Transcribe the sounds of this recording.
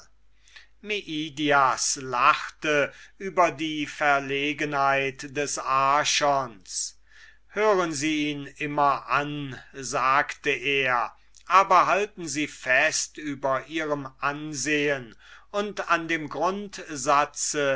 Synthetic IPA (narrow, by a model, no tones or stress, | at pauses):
miʔiːdiaslaχtəʔyːbɐdiːfɛɐleːɡənhaɪtdɛsaːʃɔns | høːʁənziːiːnɪmɐʔanzaːktəʔeːɐ | ʔaːbɐɦaltn̩ziːfɛstyːbɐʔiːʁəmʔanzeːənʊntandeːmɡʁʊntzat͡sə